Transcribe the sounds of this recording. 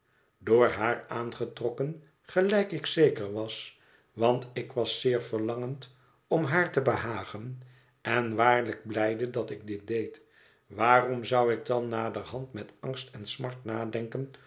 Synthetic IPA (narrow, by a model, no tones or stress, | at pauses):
dʊːɹɦaːɹaːnχətrɔkən | χəlɛjkɪksejkəɹʋɑs | ʋɑntɪkʋɑsɪːɹvəɹlɑŋənt | ɔmɦaːɹtəbəɦaːχən | ɛnʋaːɹləɡ̚blɛjdədɑtɪɡ̚dɪt̚dejt | ʋaːrɔmzʌwɪɡ̚dɑnːaːdərɦɑntmɛtɑŋstɛnsmɑɹtnaːdɛŋkən